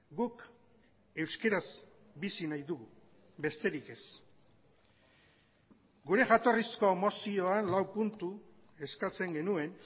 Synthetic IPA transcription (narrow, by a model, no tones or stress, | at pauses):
ɡuk | e̞wske̞ɾaz | bisinajðuɣu | be̞st̪e̞ɾike̞s | ɡuɾe̞ʝat̪o̞risko̞emo̞sio̞anlawpunt̪u | e̞skat͡se̞ŋɡe̞nue̞n